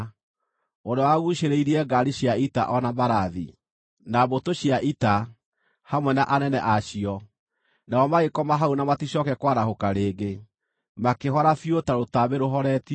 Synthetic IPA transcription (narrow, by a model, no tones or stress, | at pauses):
ondowaɣuɕeɾeiɾiɛɡaɾiɕjaita̰ʔɔnabaɾaðḭ | nabotoɕjaʔita | hamwɛnaʔanɛnɛʔaɕiɔ | naɔmaɣekɔmaɦaunamatiɕɔkɛkwaɾahokaɾeːɡe | makeɦɔɾafiotaɾotabeɾoɦɔɾɛt